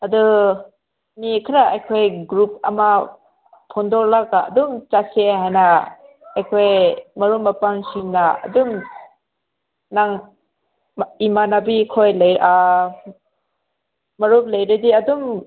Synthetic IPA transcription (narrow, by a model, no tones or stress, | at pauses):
ɐdu | mikʰiɾaʔajkʰojɡɾup̚ɐ̰ma | pʰondɔɾlaɡaɐ̰dumt͡ʃaseɦajna | ajkʰojmɐɾumːɐpaŋsiŋnaɐ̰dum | naŋ | imanabikʰojlɐja | mɐɾup̚lɐjɾɯdiɐdum